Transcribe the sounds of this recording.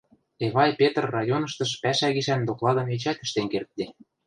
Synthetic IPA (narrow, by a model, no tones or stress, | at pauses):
eβɑjpʲet̪rːɑjonɤ̆ʃt̪ɤ̆ʃpæʃæɣiʃænd̪oklɑd̪ɤ̆met͡ɕæt̪ə̆ʃt̪enkert̪̚d̪e